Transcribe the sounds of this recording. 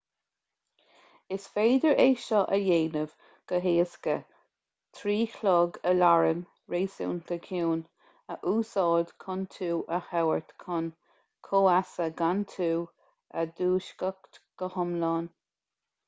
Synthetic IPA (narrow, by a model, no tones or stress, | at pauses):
ɪsfeːd̪əɹeːʃɔʔəjeːnəv̥ | ɡ̥əɦeːskə̰ | t̪ʰɾiːkʰlɔːɡəlaɹən | ɹeːsṵːnt̪ʰəkʰjuːn | əʔuːsɑːd̪kʰʊnt̪ʰuːʔəhawəɹt̪kʰʊn | kʰoːasəɡant̪ʰuː | əd̪uːʃkəkt̪ɡ̥əhʊmlɑːn